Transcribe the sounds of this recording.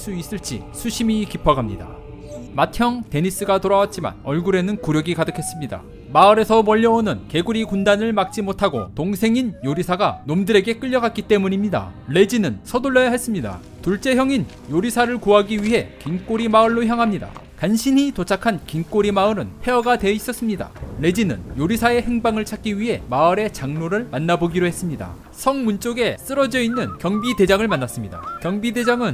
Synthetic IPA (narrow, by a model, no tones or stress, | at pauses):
s͈uis͈ɯɭt͡ɕ͈ḭsʰuɕʰimikipʰʌɡamɲida̰ | matʰjʌŋte̞ɲis͈ɯɡatoɾawat̚t͡ɕ͈ima̰nʌɭɡuɾe̞nɯnkuɾjʌɡikadɯkʰe̞s͈ɯmɲida̰ | maɯɾe̞sʰʌmʌʎːʌonɯnke̞ɡuɾikundanɯɭmak̚t͡ɕ͈imotʰaɡo̰toŋsʰe̞ŋinjoɾisʰaɡanomdɯɾe̞ɡe̞k͈ɯʎːʌɡak͈it͈e̞muɲimɲida̰le̞d͡ʑinɯnsʰʌdoɭːʌjaɦe̞s͈ɯmɲida̰ | tuɭt͡ɕ͈e̞jʌŋin | joɾisʰaɾɯɭkuɦaɡiɥiɦe̞kiŋk͈oɾimaɯɭːoçjaŋɦamɲida̰ | kanɕʰinitot͡ɕʰakʰankiŋk͈oɾimaɯɾɯnpʰe̞ʌɡadwe̞is͈ʌs͈ɯmɲida̰ɭe̞d͡ʑinɯ̰njoɾisʰae̞he̞ŋbaŋɯɭt͡ɕʰak͈iɥiɦe̞maɯɾe̞t͡ɕaŋnoɾɯɭmanːaboɡiɾohe̞s͈ɯmɲida̰ | sʰʌŋmunt͡ɕ͈oɡe̞s͈ɯɾʌd͡ʑʌinːɯnkjʌŋbide̞d͡ʑaŋɯɭmanːas͈ɯmɲida̰kjʌŋbide̞d͡ʑaŋɯn